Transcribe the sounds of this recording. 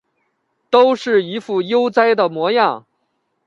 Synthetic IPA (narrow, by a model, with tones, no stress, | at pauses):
t̪o˥ʊʂɻ̩˥˩i˧˥fu˥˩jo˥ʊt͡sa˥ɪd̪ə˨mwɔ˧˥jɑ˥˩ŋ